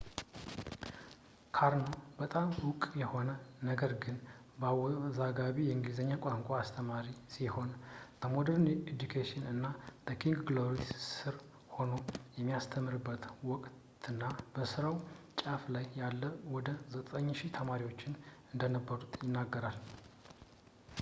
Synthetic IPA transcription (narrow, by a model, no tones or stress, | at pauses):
kʰaɾnobət̪ʼamwʊkʼjɛho̞nənəɡəɾɡɨn | bəawzaɡaβijɛɨŋɡizəɲːakʼaŋkʷʼaːst̪ʰəmaɾisiho̞nd̪̥əmod̪əɾned̪ukʰeʃɪnɨnːabəkʰiŋɡɡloɾissɨɾ | ho̞no̞jɛmːijast̪ʰəmːɨɾɨbːət̪wɔkʼt̪ | ɨnːab̥əsɨɾawt͡ʃʼaflajːalːəwɔd̪əzət̪ʼəɲːʃit̪ʰəmaɾiwo̞t͡ʃːɪnɨnd̪ənəbːəɾut̪jɪnːaɡːəɾal